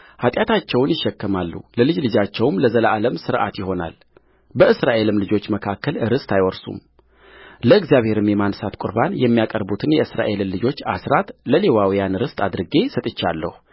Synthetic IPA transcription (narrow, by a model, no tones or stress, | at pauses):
hat̪ʼjat̪ʰat͡ʃːɛwnjɪʃːɛkːəmalːṵləlɨd͡ʒlɨd͡ʒat͡ʃːɛwmləzələʔaləmsɨɾʔa̰t̪jɪɦo̞na̰l | bəɨsɾaʔe̞lɨmlɨd͡ʒo̞t͡ʃːməkʰakʰːəlɨɾɨst̪ʰajwɔɾsṵm | ləɨɡzijaβhe̞ɾɨmjɛmansat̪kʼʊɾbanjɛmːijakʼəɾbut̪ʰɨnjɛɨsɾa̰ʔe̞lɨmlɨd͡ʒo̞t͡ʃːa̰sɾat̪ləlewawijanɨɾɨst̪ʼad̪ɾɨɡe̞sət̪ʼɨt͡ʃːalːə̰hu